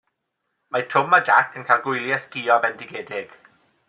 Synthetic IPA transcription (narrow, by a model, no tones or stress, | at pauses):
matʰʊmːad͡ʒakənkʰalˠɡʊjlˠjaskiːɔbɛndɪɡɛːdɪɡ̥